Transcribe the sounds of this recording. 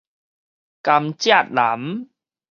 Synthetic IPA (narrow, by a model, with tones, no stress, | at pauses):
ka˧mt͡ɕja˥˩t̪̚la˨˩˦m